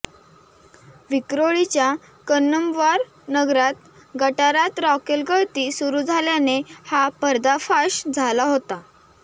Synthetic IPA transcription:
ʋikɾoɭit͡ɕja | kənːəmʋaɾ | nəɡɾat̪ | ɡəʈaɾat̪ɾɔkelkəɭt̪iːsuɾud͡zʱaljanehapəɾd̪afaɕd͡zʱalaɦot̪a

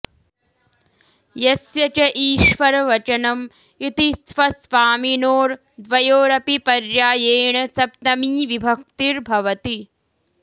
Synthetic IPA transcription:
jɐsjɐt͡ʃɐʔiːʃʋɐɾɐʋɐt͡ʃɐnɐm | it̪isʋɐsʋaːminoːɾ | d̪ʋɐjoːɾɐpipɐɾjaːjeːɳɐsɐpt̪ɐmiːʋibʱɐk̚t̪iɾbʱɐʋɐt̪i

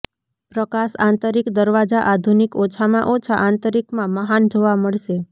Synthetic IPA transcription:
pɾəkaʃa̰nt̪əɾikd̪əɾʋad͡ʒaʔad̪ʱunikot͡ʃʰamãʔot͡ʃʰaʔant̪əɾikmãməɦand͡ʒoʋaməɭʃe

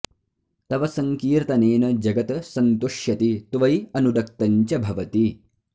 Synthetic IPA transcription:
t̪ɐʋɐsɐŋkiːɾt̪ɐneːnɐd͡ʒɐɡɐt̪ɐsɐnt̪uʂjɐt̪it̪ʋɐjɐnuɖɐk̚t̪ɐɲt͡ʃɐbʱɐʋɐt̪i

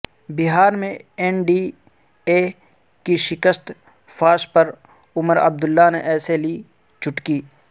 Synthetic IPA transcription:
bɪɦaːɾmẽɛnɖiː | eː | kiʃɪkəst̪ | fʰaːʃpɐɾ | ʊməɾə̰b̚d̪ʊlːaneʔɛːseliː | t͡ʃʊʈkiː

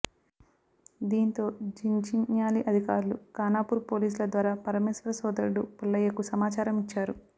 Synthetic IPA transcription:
d̪iːnt̪o̞ːd͡ʒiɲd͡ʒiɲjaːliʔɐd̪ʱikaːɾulukaːnaːpuːɾpo̞ːliːs̬ulɐd̪ʋaːɾaːpɐɾɐmeːsɐɾɐsɔːd̪ɐɾɖupilːɐjɐkusɐmaːt͡ʃaːɾɐmit͡ʃːaːɾu

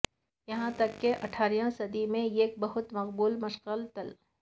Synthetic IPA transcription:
jɐɦãt̪ɐkːeʔɐʈʰaːɾjãsɐd̪imẽeːk̚bɐɦʊt̪mɐqbuːlmɐʃɣəlt̪ɐl

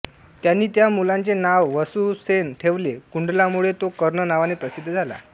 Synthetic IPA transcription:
t̪janːiːt̪jamulant͡senaʋːəsusenʈʰeʋlekuɳɖlamuɭet̪okəɾɳənaʋanepɾəsid̪ʱːd͡zʱala̰

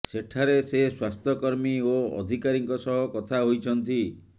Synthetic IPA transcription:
seʈʰaɾeseswast̪ʰɔkɔɾmioɔ̰d̪ʱikaɾiŋkɔsɔɦɔkɔt̪ʰaɦojt͡ʃʰɔnt̪i

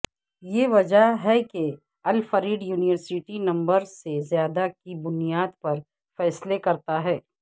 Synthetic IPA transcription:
jeːʋɐd͡ʒəɦɦɛke | ɐlfɐɾiːɖjuːnɪʋəɾsɪʈinɐ̃mbəɾsezjaːd̪akibʊnijaːd̪pɐɾ | fɛːslekɐɾt̪aɦɛː

